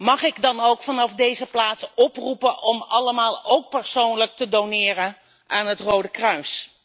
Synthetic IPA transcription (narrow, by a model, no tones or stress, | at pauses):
mɑχɪɡdɑnowkfɑnɑfdejzəplaːtsɔprupəʔɔmɑləmaːlˠowk̚pəɹsownlək̚tədonɪːrə | ʔaːnɦətrowdəkrœɥs